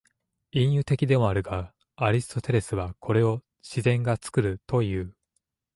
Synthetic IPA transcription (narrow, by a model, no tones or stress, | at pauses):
ĩɰ̃jɯ̟t̪e̞kʲid̪e̞mo̞aɾɯ̟ɡa | aɾʲisɨ̥t̪o̞t̪e̞ɾe̞sɨβakʰo̞ɾe̞o̞ | ɕizẽ̞ŋɡat͡sɨ̥kɯ̟ɾɯ̟t̪o̞jɯ̟ː